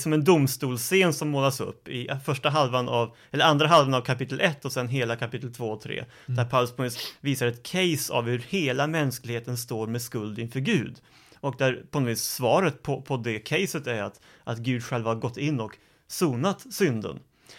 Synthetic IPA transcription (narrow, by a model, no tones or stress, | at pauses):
sɔmɛnd̪ʊmst̪uːlseːnsɔmːoːlasɵ̰pːɪfœʂʈaɦalvanʔav | ɛlːəɾand̪ɾaɦalvanavkʰapɪt̪ːəlʔɛt̪ːɔsɛnɦeːlakʰapɪt̪ːəlt̪ʰvoːt̪ʰɾḛː | d̪̥æɾpʰaʊləspʰɔnɔviːsviːsaɾɛt̪kʰɛjsa̰vhɵɾheːlamɛnsklɪɡheːt̪ənst̪oːɾmɛskɵld̪ɪnfœːɾɡʉ̟ːd̪ | ɔk̚d̪æɾpʰɔnɔviːsːvɑːɾət̪̚pʰɔpʰɔd̪ɛkʰɛjsət̪æɾat̪ | ʔat̪ɡʉ̟ːd̪ɧɛlvahaɾɡɔt̪ːɪnːɔk | suːnat̪sʏnd̪ə̰n